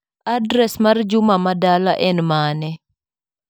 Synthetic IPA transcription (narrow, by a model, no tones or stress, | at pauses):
adɾɛsmard͡ʒʊmamadalaʔɛnmanɛ